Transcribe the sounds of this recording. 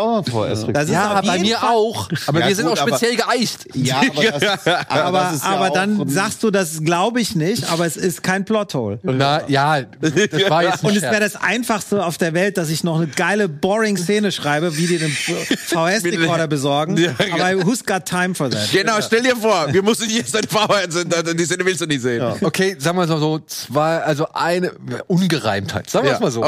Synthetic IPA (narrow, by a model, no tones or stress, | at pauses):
d̥as̬ɪaaɪmiːɐaʊxʔaːbɐviːɐzɪntaʊʃpet͡sjɛlɡəʔaɪçtjabɐʔaːbɐʔaːbɐdanzaːkstd̥uːdasɡ̥laʊbəɪçnɪçtʔa̰ːbɐɛsɪstkʰaɪnpl̥ɔtho̰ːljaːdaɛʊntɛsɛːɐdasʔa̰ɪnfaχstəaʊfd̥eːɐvɛlt̚d̥as̬ɪçnɔχnəɡaɪləbɔʁɪŋst͡seːnəʃʁ̥aɪbəviːdiːɐdeːnfaʊɛsʁɔɐɾɐbəzɔɐɡŋ̩jaaːbɐɦusɡ̥atʰːaɪmfɔɐzɛɡ̥ənaʊʃtɛldiːɐfoːɐviːɐmʊsn̩jɛsd̥adfaʊɛnzɪnadiseːnəvɪlstd̥uːnɪçz̥eːnokʰeːzaːɡŋəmaːzzoːt͡sv̥aɪʔalzoʔaɪnəʔʊnɡəʁa̰ɪmtha̰ɪtz̥aːɡŋːmaːzoː